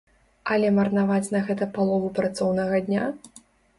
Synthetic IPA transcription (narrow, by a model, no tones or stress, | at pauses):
ɐlʲɛmɐrnavat͡sʲnɐɣɛt̪ɐpalˠɔvupɾat̪sɔwnɐɣɐd̪ʲnʲa